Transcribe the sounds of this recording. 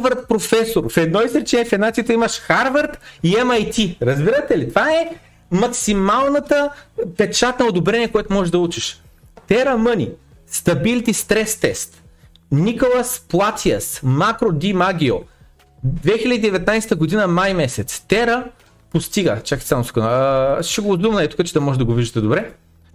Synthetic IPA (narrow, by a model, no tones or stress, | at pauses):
vɐɾt̪̚pɾofɛsoɾfɛd̪nɔisɾɛt͡ʃɛnɛfɛnat̪ijət̪əimɐʃxaɾvəɾt̪iɛmɐjt̪ʲiɾɐzbiɾət̪ɛlit̪vaɛ | mɐksimalˠnət̪əpɛt͡ʃat̪nɐod̪obɾɛniɛkojɛt̪ʊmɔʒɛʒd̪ɐut͡ʃiʃ | t̪ɛɾəmɤnʲi | st̪ɐbilt̪ist̪ɾɛst̪ɛst̪ | nikolˠəsplˠat̪iəsmakɾod̪imaɡʲio | d̪vɛxilʲɐd̪iːd̪ɛvɛt̪najst̪əɡod̪inəmajmɛsɛt̪st̪ɛɾə | post̪iɡət͡ʃaki̥samʊsu̥konəʃɛɡozd̪umnɐɛt̪ʊ̥kət͡ʃɛd̪ɐmɔʒɛd̪ɐɡoviʒit̪ɛd̪obɾɛ